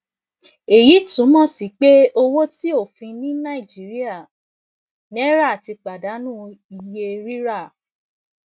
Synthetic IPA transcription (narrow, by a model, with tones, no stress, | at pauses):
e˨ji˨˦tũ˨˦mɔ̃˦˨si˨˦k͡pe˦o˧wo˦ti˦o˦˨fĩ˧nĩ˦nã˦i˨d͡ʒi˨˦ɾi˦a˦˨ | nĩ˦ɛ˦ɾa˦˨a˨ti˧k͡pa˨da˨˦nũ˦i˧je˧ɾi˦ɾa˦˨